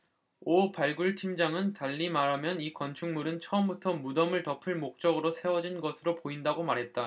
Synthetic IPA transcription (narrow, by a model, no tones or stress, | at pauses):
opaɭɡuɭtʰimd͡ʑaŋɯntaʎːimaɾɦamjʌnikwʌnt͡ɕʰuŋmuɾɯnt͡ɕʰʌʌmbutʰʌmudʌmɯɭtʌpʰɯɭmok̚t͡ɕ͈ʌɡɯɾosʰe̞wʌd͡ʑinɡʌsʰɯɾopoindaɡomaɾɦe̞t̚t͈a